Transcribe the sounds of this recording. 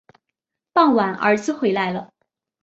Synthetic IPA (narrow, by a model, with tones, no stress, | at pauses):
pɑ˥˩ŋwa˨˩nʔə̰˞˧˥t͡sɹ̩˥˧xwe˧˥ɪla˧˥ɪlə˨˩